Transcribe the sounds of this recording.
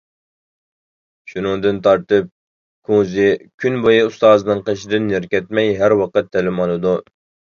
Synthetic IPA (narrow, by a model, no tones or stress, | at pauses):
ʃunɨŋd̪ɨnt̪ʰɑɾt̪ɨp̚ | kʰuzɪkʲʰynbojɨust̪ɑːzɨnɨɴqəʃɪd̪ɪnːɪɾkʲɛt̪mɛjɦæɾwɑqət̪ʰːɛlɪmɑlˠɨd̪u